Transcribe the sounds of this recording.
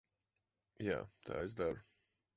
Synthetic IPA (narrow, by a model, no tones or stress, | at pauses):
ja̰ːt̪ʰa̰ːezd̪aɾʊ